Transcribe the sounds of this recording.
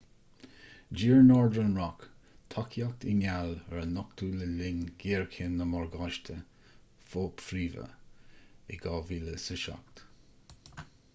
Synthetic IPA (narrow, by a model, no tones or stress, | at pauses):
d͡ʒiːɹnɔɹd̪ənɹɔk | t̪ʰɑkʰjak̚t̪ɪŋaləɹənɔkt̪ʰuːləlɪŋɡ̥eːɹkʰɪnːəmɔɹɡɑʃt̪ʰə | foːpfɾiːvə̰ | ɪɡɑːviːləsɪʃa̰k̚t̪